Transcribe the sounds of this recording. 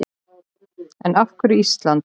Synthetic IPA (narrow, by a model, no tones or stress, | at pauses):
ɛnafkʏɾiist̪lant̪